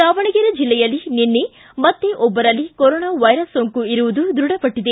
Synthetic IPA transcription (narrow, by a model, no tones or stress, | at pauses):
saːʋɐɳɐɡiɾɐd͡ʒilːɛjɐlːinenːe | mɐt̪ːeʔɔbːɐɾɐlːikɔɾɔːnaːʋɐjɾɐsːoŋkuiɾuʋud̪ud̪ɾuɽɐpɐʈːid̪e